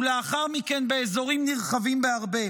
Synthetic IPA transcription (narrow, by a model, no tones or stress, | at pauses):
leaχaʁmikenbeezo̞ʁimniʁχavimbeaʁbe̞